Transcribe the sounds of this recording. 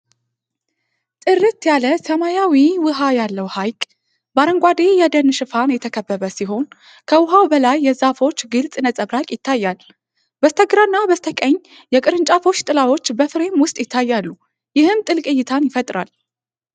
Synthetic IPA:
t̪ʼɨɾɨt̪jaləsəmajawiwɨɦajalːəwhajkʼ | baɾəŋɡʷad̪ejɛd̪ənʃɨfanjɛt̪ʰəkʰəbːəβəsiɦo̞n | kʰəwʊɦawbəlajːɛzafo̞t͡ʃːɡɨlt͡sʼɨnət͡sʼəβɾakʼjɪt̪ʰːajːal | bəst̪ʰəɡɾanːabəst̪ʰəkʼəɲː | jɛkʼɨɾɨnt͡ʃʼafo̞t͡ʃːt̪ʼɨlawo̞t͡ʃːbəfɨɾe̞mwʊst̪ʼjɪt̪ʰːajːalːu | jɪhɨmt̪ʼɨlkʼɨjːɪt̪ʰanjɪfət̪ʼɾal

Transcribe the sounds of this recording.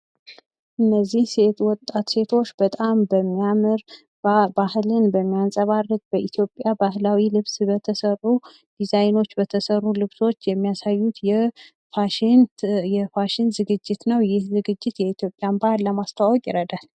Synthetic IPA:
ʔɨnːəzːihse̞t̪wɔt̪ʼːat̪se̞t̪ʰo̞t͡ʃːbət̪ʼambəmːijamɨɾ | bahlɨnbəmːijansʼəβarːɨkʼb̥əʔit̪ʰjo̞pʼjabahlawilɨβsbət̪ʰəsərːu | d̪̥izajno̞t͡ʃːbət̪ʰəsərːulɨβso̞t͡ʃːjɛmːijasajːut̪jɛ | faʃnjɛfaʃɪnzɨɡɨd͡ʒːɪt̪nəwjɪhzɨɡɨd͡ʒːɪt̪jɛit̪ʰjo̞pʼjanbahlləmast̪ʰəwawɔkʼjɪɾəd̪al

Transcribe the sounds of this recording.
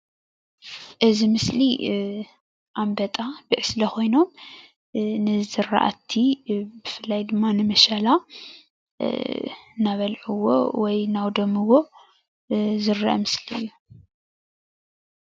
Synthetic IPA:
ʔɨzimɨsli | ʔambɐt̪ʼabɨʕɨslɐxo̞jno̞m | nɨzɨɾːa̰ʔa̰t̪ʰːibɨfɨlːajd̪ɨmːanɨmɐʃala | naβɐlʕuwo̰wɔjnawd̪omɨwo̞ | zɨɾa̰ʔɐ̰mɨsliɨ̰jːu

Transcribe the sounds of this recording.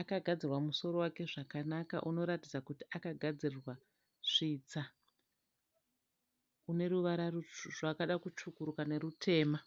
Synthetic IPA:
akaɡʱad͡zirwamuso̞ɾo̞wake̞ʐakanaka̰ʔuno̞ɾatid͡zakutiakaɡʱad͡zirirwa | ʐ̥iːt͡sa | une̞ɾuʋaɾaruʐakaɗakut͡ʃukuɾukane̞ɾutʰe̞ːma

